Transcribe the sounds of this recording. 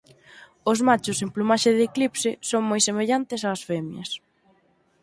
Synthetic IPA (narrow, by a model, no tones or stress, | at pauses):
ʊzmat͡ʃʊsemplumaʃeðeːklipsɪsoŋmojsemeʎant̪ɪsaːsfemjɐ̰s